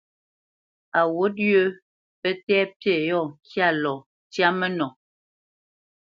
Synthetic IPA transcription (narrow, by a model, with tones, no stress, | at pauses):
a˨wo˦dɥo˦ | pɛ˦tɛː˦pe˦˨jɔ˦˨ŋ˨kja˦˨lɔ˨ | tja˦mɛ˦nɔ˨